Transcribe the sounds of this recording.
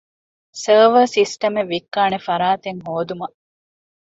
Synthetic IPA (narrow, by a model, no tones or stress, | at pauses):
sɐːʋɐsisʈɐmeʋːikːaːnefɐɾaːt̪eŋɦoːd̪umɐ